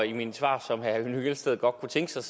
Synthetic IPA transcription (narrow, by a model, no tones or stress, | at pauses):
iminsʋɑ̰̈ːsɒ̽mhænyɡ̥elsd̥eð̩ˠɡ̥ɒ̽d̥̚kʰut͡sʰeŋɡ̥ə̥sɑ̈ɪs